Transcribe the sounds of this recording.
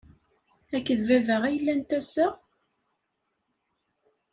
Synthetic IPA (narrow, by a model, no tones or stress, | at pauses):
ækːəðvævəʁæjəlːænt̪æsəʁ